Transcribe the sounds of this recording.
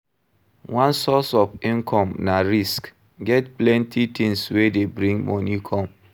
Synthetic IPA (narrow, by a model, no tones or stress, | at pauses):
wãnsɔsɔfĩŋkʰɔmnaɾisk | ɡɛtplɛntʰitʰĩŋswedebɾĩŋɡmo̰nikʰɔm